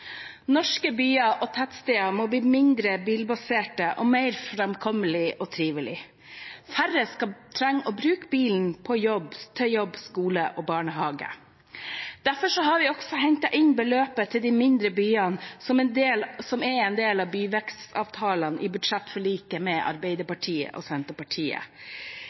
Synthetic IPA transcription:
nɔʂkəbyːɑʔɔt̪ʰæt̪st̪eːɑmɔbliːmɪnd̪ɾəbiːlbɑseːʈəʔɔmæɪɾfɾɛmkʰɔməlɪʔɔt̪ʰɾiːʋəlɪ̰ | fæɾːəskɑt̪ʰɾɛŋːɔbɾʉːkbiːln̩pʰɔjɔbt̪ʰœjɔbskuːləʔɔːbɑːɳəɦɑːɡə̰ | d̪̥æfɔʂɔɦɑɾʋɪɔɡ̥sɔɦɛɲt̪ɑʔɪnbəløːpət̪ʰɪld̪ɪmɪnd̪ɾəbyːɑnsɔmɛnd̪eːlsɔmɛɛnd̪eːlɑʋbyːʋɛkst̪ɑ̰ːʋt̪ʰɑːlənʔɪ̰bʉd̪ʂɛt̪ːfɔɭiːkəmɛʔɑ̰ɾbɛɪd̪əpɑʈʰiːə̰ʔɔ̰sɛnt̪əpɑʈʰiːə̰

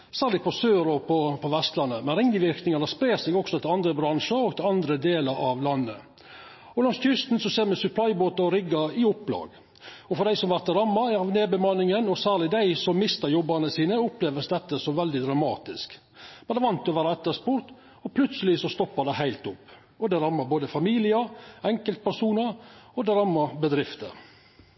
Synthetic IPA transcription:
sæːɾlɪɡ̚pʰɔsøːɾɔpʰɔpʰɔʋɛst̪lɑnːəmɛnɾɪŋd̪əʋɪɾknɪŋɑd̪əspɾeːsɛɡɔksɔt̪ʰɪlɑnd̪ɾəbɾɑnʂəɾɔɡt̪ʰɪlɑnd̪ɾəd̪eːləɾʔɑʋlɑnːə̰ | ɔlɑŋsʰʏst̪n̩sɔseːɾmɛsʉpʰlɑɪboːt̪ɑɔɾɪɡːɑɪʊpːlɑ̰ːɡ | ɔfɔɾd̪æɪsɔmʋæɾt̪ːɾɑmːɑɑʋneːbəmɑnːɪŋənɔsæːɾɭɪd̪æɪsɔmːɪst̪əɾjɔbɑnəsiːnəʊpleːʋəsd̪ɛt̪ːəsɔmʋɛld̪ɪd̪ɾɑmɑ̰ːt̪ɪsk | mɛnd̪ɛʋɑnt̪ɔʋæːɾɑɛt̪ːəspʊɾt̪ | ɔpʰlʉt̪səlɪsɔst̪ɔpːɑd̪ɛhæɪlt̪ʊpː | ɔd̪ɛɾɑmːɑɾboːd̪əfɑmiːlɪəɾɛŋkəlt̪̚pʰæɾsuːnəɾɔd̪ɛɾɑmːɑɾbəd̪ɾɪft̪ə̰ɾ

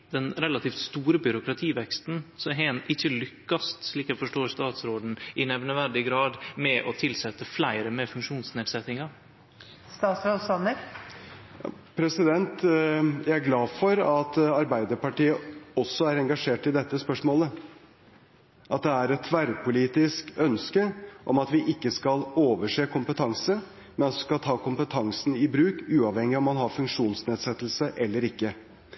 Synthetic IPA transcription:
d̪ɛnɾɛlɑt̪iːft̪st̪uːɾəbʏɾʊkɾɑt̪ʰiːʋɛkst̪n̩sɔɦeːnɪçːəlʏkːɑst̪ʂɭiːkæɪfɔʂʈoːɾst̪ɑːt̪sɾoːd̪n̩ʔɪnæʋnəʋæɾɖɪɡɾɑːd̪mɛʔɔt̪ʰɪlsɛt̪ːəflæɪɾəmɛfʉŋkʂuːnsneːd̪sɛt̪ːɪŋɑ | st̪ɑːt̪sɾoːd̪sɑnəɾ | jɑ̰pʰɾɛsɪd̪ɛnt̪jæɪæɾɡlɑːfɔɾɑt̪ɑɾbæɪd̪əɾpɑʈiːəɔsːɔæɾɛŋɡɑʂeːʈɪd̪ɛt̪ːəspœʂmoːlə | ʔɑt̪̚d̪ɛæɾɛt̪ʰʋæɾpʊliːt̪ɪskœnskəʔɔmɑt̪ʋɪʔɪkːəskɑloːʋəʂeːkʰʊmpət̪ʰɑŋsə | mɛnɑsskɑlt̪ʰɑːkʊmpət̪ʰɑŋsn̩ɪbɾʉːkʉːɑʋhɛŋːɪɔmːɑnɦɑɾfʉŋkʂuːnsneːd̪sɛt̪ːl̩səʔɛlːəɾɪkːə

